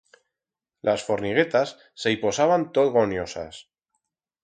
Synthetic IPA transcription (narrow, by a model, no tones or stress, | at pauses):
lʔasfo̞ɾniɣ̞e̞t̪asːe̞ipo̞saβant̪oðɣo̞njo̞sa̰s